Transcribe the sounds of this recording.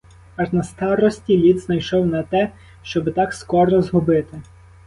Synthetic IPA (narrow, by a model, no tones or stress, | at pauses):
ɑʒnɐst̪ɑɾɔsʲtʲilʲid̪znɐjʃɔwnɐt̪ɛ | ʃt͡ʃɔbɪt̪ɑkskɔɾɔzɦʊbɪt̪ɪ